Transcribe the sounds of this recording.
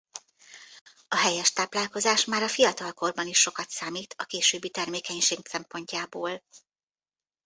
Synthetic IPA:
ɒɦɛjɛʃt̪aːplaːlko̞zaːʃmaːɾɒfijɒt̪ɒlko̞rbɒniʃːo̞kɒt̪saːmiːt̪ʰɒkeːʃøːbːit̪ɛrmeːkɛɲʃeːɡsɛmpo̞ɲcaːboːl

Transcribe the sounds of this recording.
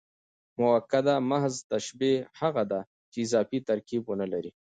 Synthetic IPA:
mʊwakːad̪amaɦzt̪aʃbehaɣad̪a | t͡ʃeɪzɑfit̪aɾkibwonəlaɾi

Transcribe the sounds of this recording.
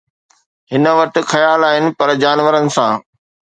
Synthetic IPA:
ɦɪnə̆ʋɐʈɪ̆xɐjaːlaːɦɪnɪ̆pɐɾd͡ʑaːnʋəɾənɪ̆sãː

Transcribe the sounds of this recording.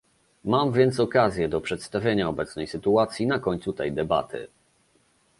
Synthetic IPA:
mamvʲjɛnt̪sɔkazʲjɛd̪ɔpʂɛt̪st̪avʲjeɲaɔbɛt̪snɛjsɘt̪uat̪sʲjinakɔɲʲt̪sut̪ɛjd̪ɛba̰t̪ʰɘ̰

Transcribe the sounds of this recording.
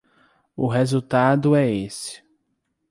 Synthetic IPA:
ʊɦezuwt̪ad̪ʊɛesɪ̥

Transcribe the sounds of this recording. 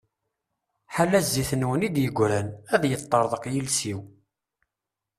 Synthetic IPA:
ħalːæzːiθnwənid̪jəɡʷːɾænæðjət̪ˤːəɾˤðˤəqjəlsiw

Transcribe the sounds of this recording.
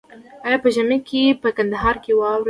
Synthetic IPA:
ɑjɑpəʒamekʰepəkand̪aɦɑɾkewɑwɾ

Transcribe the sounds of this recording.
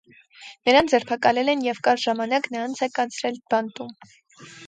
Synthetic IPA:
nəɾɑnd͡zɛɾpʰɑkɑlɛlɛnjɛvkɑɾʒɑmɑnɑknəɾɑnt͡sʰɛkɑnt͡sʰɾɛlb̥ɑnt̪um

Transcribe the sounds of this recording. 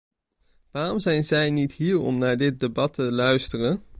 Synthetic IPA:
ʋaːrɔmzɛjnzɛjnitɦiːɹɔ̰mnaːɹdɪt̚debɑtʰəlœɥstərən

